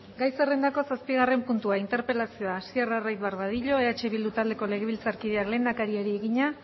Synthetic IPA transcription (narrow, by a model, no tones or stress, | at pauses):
ɡajse̞re̞nd̪ako̞saspiɣare̞mpunt̪uaint̪e̞ɾpe̞lasio̞aːsierarajt̪βarβað̞iʎo̞e̞at͡ʃe̞βild̪ut̪ald̪e̞ko̞le̞ɣ̞e̞β̞ilt͡saɾkiðe̞akle̞ːnd̪akaɾiaɾie̞ɣiɲa